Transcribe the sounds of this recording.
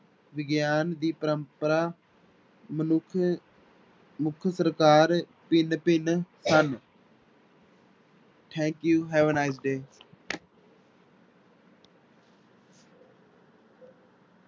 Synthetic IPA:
ʋɪɡjaːnd̪iːpəɾəmpəɾaː | məʊ | mʊkʰsəɾkaːɾ | pɪnpɪnsən | ʈʰɛ̃ːŋkjuːɦɛːʋənaɪs̬ɖeː

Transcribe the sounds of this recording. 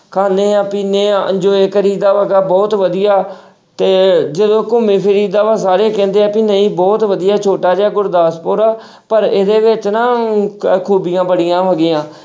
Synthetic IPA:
kʰaːneːaːpiːneːə̰̃nd͡ʒoːeːkəɾiːd̪aːʋəɡaːbɔːt̪ʋəd̪ɪjaː | t̪eːd͡ʒəd̪õːkʊmːẽːpʰɪɾiːd̪aːʋaːsaːɾeːkɛ̃ːnd̪eːaːpinəĩːbɔːt̪ʋəd̪ijaːt͡ʃʰoːʈaːd͡ʒaːɡʊɾd̪aːspoːɾaː | pəɾeːd̪eːʋɪt͡ʃnãːkʰuːbɪjãːbəɽɪjãːʋəɡɪːãː

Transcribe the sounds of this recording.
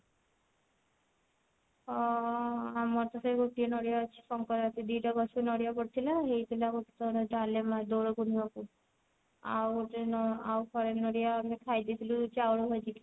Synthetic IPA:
amɔɾt̪ɔsɔiɡoʈijɔnɔɽijaɔt͡ʃʰi̥sɔŋkɔɾt̪ʰid̪iʈɔɡɔsnɔɽijapɔɽit̪ʰilaɦejt̪ʰilaɡoʈi̥t̪ɔɾɔd͡ʒalemad̪oɽɔkunɔku | a̰woʈenɔawpʰɔɾenɔɽijaamekʰajd̪it̪ʰilut͡ʃawɽuɦɔjt̪ʰi

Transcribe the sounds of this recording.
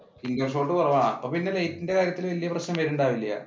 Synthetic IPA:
iŋɡɐrʂ̬oːʈːɨpɐrɐʋaːɳapːoːpinːe̞lɐjtːinde̞kaːɾjɐt̪ːilʋɐlijɐprɐɕnɐmʋɐɾuɳɖaːʋilːɐja̰

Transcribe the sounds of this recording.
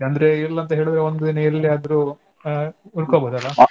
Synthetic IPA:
ɐnd̪ɐɾe̞ilːɐɐnt̪ɐɦe̞ːɭud̪ɾeond̪ud̪inɐjɐlːiɐd̪ɐɾu | uɾkobod̪ɐlːa

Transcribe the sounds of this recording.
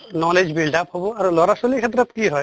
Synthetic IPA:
nɔled͡ʒbilɖapɦobɔaɾulɔɾasolikʰet̪ɾɔt̪kiɦɔj

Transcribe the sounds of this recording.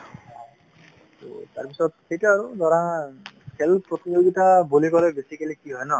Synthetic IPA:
to̰taɹpisɔt̚xejtaaɹudɔɹãkʰelpɹɔt̪id͡ʒoɡitabolikɔɾɛbesikalikiɦɔjnɔ

